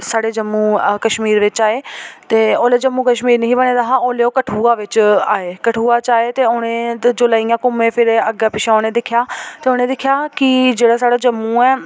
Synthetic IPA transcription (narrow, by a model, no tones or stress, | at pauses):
saːɽeːd͡ʒəmːũːkəʃmiːɾʋɪt͡ʃaːeːt̪eːoːleːd͡ʒəmːũːkəʃmiːɾnəɦĩːbəñẽːd̪aːɦãːoːleːoːkəʈʰuːaːʋɪt͡ʃaːeːkəʈʰuːaːt͡ʃaːeːt̪eːoɽ̃ẽːd͡ʒoːlaːiːãːkʊmẽːpʰɪɾəɡaːpɪʃʰãːoːnẽːd̪ɪkʰːjaːt̪eːoːneːd̪ɪkʰːjaːkɪd͡ʒeːɽaːsaːɽaːd͡ʒəmũːɛː